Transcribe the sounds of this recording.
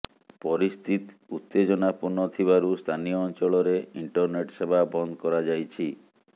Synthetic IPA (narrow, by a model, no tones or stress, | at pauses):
pɔɾist̪ʰit̪ut̪ːed͡ʒɔnapuɾnɔt̪ʰibaɾust̪ʰanijɔːnt͡ʃɔɭɔɾeiɳʈɔɾneʈsebʱabɔnd̪ɔkɔɾad͡ʒajt͡ʃʰi